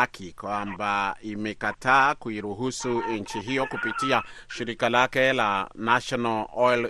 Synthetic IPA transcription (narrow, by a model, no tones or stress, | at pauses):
akʰikwambaimɛkataːkuiɾuɦusun̩t͡ʃiɦijɔkupitiaʃiɾikalakɛlanaʃɔnaɔl